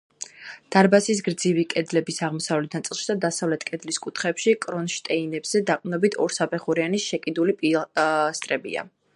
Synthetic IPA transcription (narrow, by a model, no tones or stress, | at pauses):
d̪̥aɾbasis̬ɡɾd̪zivikʼɛd̪lɛbisaʁmɔsavlɛt̪ʰnat̪sʼilˠʃid̪ad̪asavlɛt̪ʰkʼɛd̪liskʼut̪ʰχɛpʃikʼɾɔnʃt̪ʼɛinɛbz̥ɛd̪aqʼnɔbit̪ʰɔɾsapʰɛχuɾianisʃɛkʼid̪ulipʼist̪ʼɾɛbḭa̰